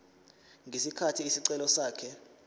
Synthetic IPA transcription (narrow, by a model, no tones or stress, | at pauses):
ŋɡʱesikʰatʰiːsiǀɛlɔsaːkʰɛ